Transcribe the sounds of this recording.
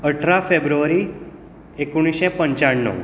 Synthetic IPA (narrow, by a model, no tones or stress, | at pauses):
əʈʰɾafebɾuʋəɾi | ekuɽ̃iʃẽpəɲt͡ʃaɳːɔ̰